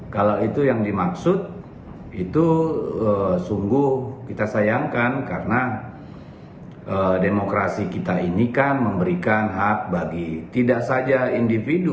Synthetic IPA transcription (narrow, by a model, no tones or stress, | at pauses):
kalawit̪ujaŋdimaksʊt̪̚ | it̪uəsuŋɡuhkit̪asajaŋkankaɾəna | ʔədemokɾasikit̪ainikanməmbəɾikanɦak̚baɡit̪idaʔsad͡ʒaindifidu